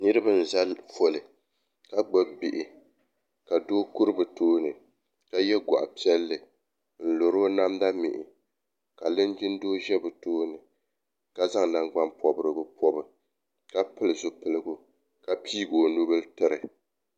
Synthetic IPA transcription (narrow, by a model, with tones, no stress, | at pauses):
nɨ˦ɾɨ˦ba˦n̩˨za˦lfo˨lɨ˨ | ka˦ɡ͡ba˦bi˨ʔɪ˨ | ka˨doː˦ku˦ɾɨ˦bɨ˨toː˦nɨ˨ | ka˦jɛ˦ɡɔ̰˨ʔa˨pi˦ɛ˦lːɨ˨ | n̩˨lo˨ɾoː˦na˦mda˦mɪ̰˨ʔɪ˨ | ka˨lɨ˦nd͡ʒɪ˦n˦doː˦ʒɛ˦bɨ˨toː˦nɨ˨ | ka˦za˦ŋ˨na˨ŋɡ͡ba˦npʰɔ˨bɨ˦ɾɨ˨bɨ˦pʰɔ˦bɨ˨ | ka˦pɨ˦lɨ˨zʊ˨pɨ˨lɨ˦ɡʊ˨ | ka˦˨piː˦ɡoː˨no˦bɨ˦ltɨ˦ɾɨ˨